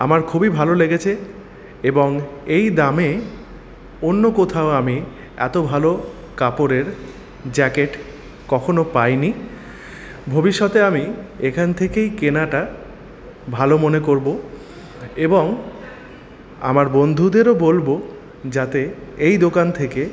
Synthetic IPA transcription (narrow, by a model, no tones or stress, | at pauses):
a̰maɾkʰubibʱaloleɡet͡ɕʰe | eboŋejd̪ame | onːokot̪ʰaoami | ɛ̰t̪obʱalo | kapoɾeɾ | d͡ʑɛkeʈ | kɔkʰonopajni | bʱobiʃːɔt̪eamiekʰant̪ʰekejkenaʈa | bʱalomonekoɾbo | eboŋ | a̰maɾbond̪ʱud̪eɾobolbo | d͡ʑat̪eejd̪okant̪ʰeke